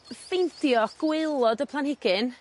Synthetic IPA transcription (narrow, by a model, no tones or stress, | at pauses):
fejntjɔɡ̥wɪlˠɔdəpʰlˠanhɪɡɪn